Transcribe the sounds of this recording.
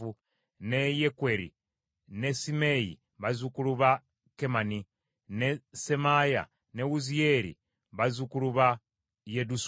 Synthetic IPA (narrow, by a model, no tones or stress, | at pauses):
u | nejekweɾḭ | ne̞sime̞jḭ | βazukuluβa | kemani | nesemaja̰ | ne̞ɣuzijeɾḭ | βazukuluβa | jedus